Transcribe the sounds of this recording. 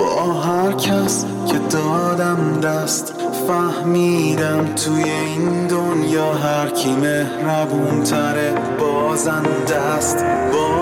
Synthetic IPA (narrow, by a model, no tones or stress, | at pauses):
bɒːɦæɾcʰæs | cʰed̪ɒːd̪æmd̪æst̪ | fæhmiːd̪æmt̪ʰuːjeinnd̪onjɒːɦæɾcʰiːmehɾævuːnt̪ʰæɾe | bɒːzænd̪æ | st̪bɒː